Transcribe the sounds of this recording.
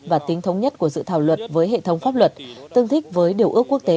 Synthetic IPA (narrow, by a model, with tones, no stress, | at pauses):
vaː˨˩t̪i˨˦ŋt̪ʰə˨˦wŋ͡mɲə˦˥t̚ku˧˩əzɨ̰˧˨t̪ʰaː˧˩wlwə˨˩t̚vəː˨˦jɦḛ˧˨t̪ʰə˧wŋ͡mfaː˦˥p̚lwə˨˩t̚t̪ɨ˧˩ŋt̪ʰï˦˥k̟̚vəː˨˦jɗi˨˩əwʔɨ˦˥əkːu˦˥ək̚t̪e˨˦